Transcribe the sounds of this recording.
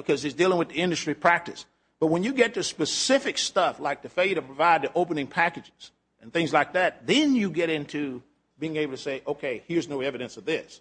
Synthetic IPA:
bɨkʰʌzɨzdilˠɪ̃ŋwɨðiɪ̃ndɨstɹ̥ipʰɹ̥æk̚tɨs | b̥ʌt̚wə̃njɨɡɛtʰɨspɨsɪfɨkstʌflaɪk̚ðɨfeɪlˠjəɾɨpʰɹ̥əvaɪd̪̚ðiʔoʊpɨnɪ̃ŋpʰækɨd͡ʒɪz̥ | ʔɨ̃nθɪ̃ŋzlaɪk̚ðæt̪̚ðɨ̃njɨɡɛɾɪ̃ntʰʉ | biɪ̃ŋeɪbl̩ˠtʰɨ̥seɪʔoʊkʰeɪhɪɹznoʊɛvɨɾɨ̃nsʌvðɪs

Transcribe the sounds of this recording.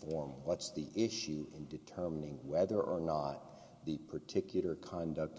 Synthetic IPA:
fɔɹmwʌtsðiʔɪʃʉɪ̃ndɨtʰɜ˞mənɪ̃ŋwɛðə˞ʔə˞nət̪̚ | ðɨpʰə˞tʰɪkjl̩ˠə˞kʰɑ̃ndɨk̚t

